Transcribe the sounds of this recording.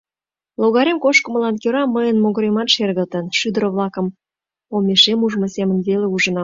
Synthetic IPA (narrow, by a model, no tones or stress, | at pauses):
loɣɑɾemkoʃkə̆mə̆lɑnkøɾɑməjənmoɣəɾemɑt̪ʃerɣə̆lt̪ənʃyd̪əɾəβlɑkə̆m | omeʃemuʒmosemənβeleuʒənɑ